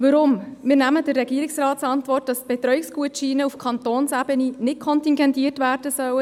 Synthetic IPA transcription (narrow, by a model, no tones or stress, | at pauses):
ʋɑɾʊmmɪːɾnæmədərːɛɡiːəɾɪksɾɑːtsɑntʋɔrt̚d̥ɑsb̥ɛtɾœɥɪkskuətʃiːnəufkʰɑntoːnsæb̥əninɪtkʰɔntiŋɡɛntiːtʋæːrd̥əsœwə